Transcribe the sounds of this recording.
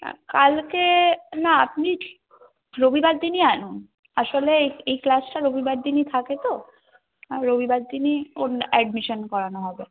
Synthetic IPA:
kalkenaap̚ni | ɾobʱibad̪ːinianun | aʃoleejklasʈaɾobibad̪d̪init̪ʰaket̪o | aɾobʱibad̪ːinionɛɖmiʃonkɔɾanoɦɔbe

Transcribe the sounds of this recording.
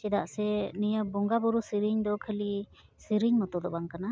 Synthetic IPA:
t͡ʃɛd̪aʔsɛnijəbɔŋɡabɔɾusiɾiɲd̪ɔkʰəli | siɾiɲmɔt̪ɔd̪ɔbaŋkana

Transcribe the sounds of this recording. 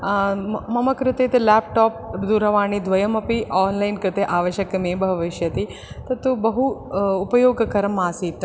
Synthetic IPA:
mɐmɐkɾɨt̪eːt̪ɐlɛːp̚ʈɔːp̚d̪uɾɐʋaːɳ̃id̪ʋɐjɐmɐpiʔɔːnlajnkɾɨt̪eʔaːʋɐʃjɐkɐmeːbʱɐʋɐʃjɐt̪i | t̪ɐt̪ubɐɦuːpɐjoːɡkɐɾmaːsiːt̪ː

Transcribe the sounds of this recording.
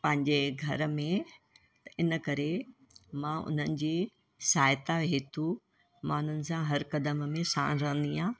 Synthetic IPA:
pɐ̃ɦɪ̃ɲd͡ʑeɡʱɐɾ̆mẽ | t̪ɐɪnəkɐɾe | mãʔʊ̰n̤ənɪ̆d͡ʑiː | saːɪt̪aɦeːt̪ʰu | maːn̤ʊnɪ̆sãɦɐɾkɐd̪əmmẽsã̰ːnɾɐɦə̃nd̪iːãː

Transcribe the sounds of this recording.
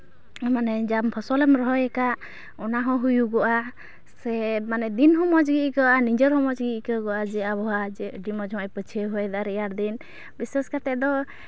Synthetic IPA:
manɛd͡ʒampʰɔsɔlɛmɾɔɦɔjɛkaʔ | ɔnaɦɔ̃ɦujuɡɔʔa | sɛmanɛd̪inɦɔmɔd͡ʒɡiʔkəʔaniɲd͡ʒəɾɦɔmɔd͡ʒɡiʔkəɡɔʔad͡ʒɛabɔɦaɛɖimɔd͡ʒɔajpət͡ʃʰiəɦɔɛd̪aɾijaɾd̪in | bisɛskat̪ɛʔd̪ɔ

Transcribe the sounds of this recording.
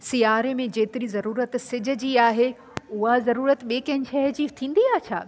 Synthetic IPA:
sijaːɾemẽd͡ʑeːt̪ɪɾizɐɾuːɾət̪sɪd͡ʑə̆d͡ʑiːaːɦe | ʊɦazɐɾuːɾət̪ɓeːkɐ̃ɦɲʃɐɦd͡ʑiːt̪ʰĩːnd̪iaːɦt͡ɕʰa̰ː

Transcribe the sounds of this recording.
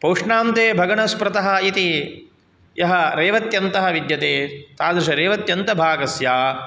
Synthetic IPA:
pɐːʂɳaːnt̪eːbʱɐɡɐɳɐspɾɐt̪ɐɦɐ̆it̪i | jɐɦɐɾeːʋɐt̪jɐnt̪ɐɦɐ̆ʋid̪jɐt̪eːt̪aːd̪ɾuʃɐɾeːʋɐt̪jɐnt̪ɐbʱaːɡɐsjaː

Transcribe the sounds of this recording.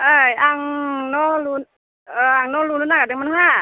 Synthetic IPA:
ʔaːjʔaŋnɔlun | ʔɤːʔaŋnɔːluːnːnaːkaɯmanhɦaː

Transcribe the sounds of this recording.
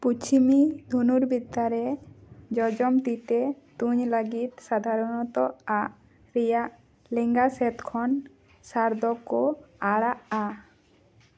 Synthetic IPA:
put͡ʃʰimid̪ʱunuɾbid̪aɾɛd͡ʒɔd͡ʒɔmt̪it̪ɛ | t̪uɲləɡit̪̚sad̪ʱaɾɔnɔt̪ɔaʔ | ɾɛjaʔ | lɛŋɡasɛt̪kʰɔn | saɾd̪ɔkɔaɽaʔa

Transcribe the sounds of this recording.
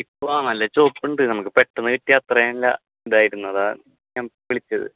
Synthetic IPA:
ipːoaːnɐlːɐt͡ɕo̞ːpːuɳɖɨnɐmɐkːɨpeʈːɐnːɨkiʈːijaːt̪ːrɐjenlːɐ̰ | ɖaːjiɾunːɐða | ɲaːmʋiɭit͡ɕːɐðɨ̰

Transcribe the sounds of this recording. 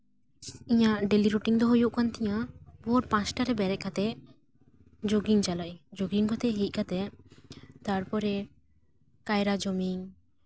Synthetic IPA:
ĩjaʔɖeliɾuʈiŋd̪ɔɦojuʔkant̪ɛjabɔɾpãt͡ʃʈaɾɛbɛɾɛʔ̚kat̪ɛʔ | d͡ʒoɡiŋd͡ʒalajd͡ʒoɡiŋkɔt̪ɛɦit̪̚kat̪ɛʔ | t̪aɾpɔɾɛ | kajɾad͡ʒɔmiŋ

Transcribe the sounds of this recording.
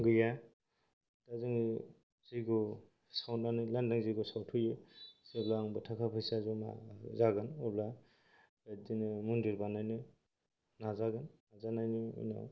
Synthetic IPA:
ɡɯja | d̥azɯŋ | z̥iɡɔ | sawnanɯjlandaŋziɡusawtʰujɯseblaŋbɯtʰakʰapʰɯjsazuma̰zaɡɯnɔbla | adinɯmundiɾbanajnɯ | nazaɡɯnːazanajnɯṵjna̰

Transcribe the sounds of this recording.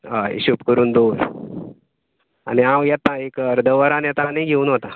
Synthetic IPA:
ɦaḛɕupkəɾuːnd̪oɾ | a̰niãwjat̪ːãekəɾd̪ʱəʋəɾanjat̪aneɡʱeuːnɦot̪a

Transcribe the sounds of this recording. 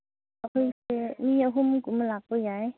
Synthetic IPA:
apʰɯjsemiaɦumɡumlak̚pɯjaj

